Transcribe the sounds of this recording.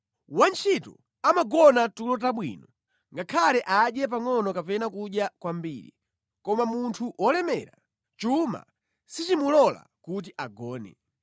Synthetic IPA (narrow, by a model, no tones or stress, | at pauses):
want͡ʃʰitɔ | amaɡɔnatulɔtaɓwḭnɔ | ŋɡakʰalɛʔaɗjɛp̬aŋɔnɔkapɛnakuɗjakwambiːɾḭ | kɔmamuntʰuʔɔlɛmɛ̰ɾa | t͡ʃuma̰ | sit͡ʃimulɔla̰kut̬iʔaɡɔːnɛ̰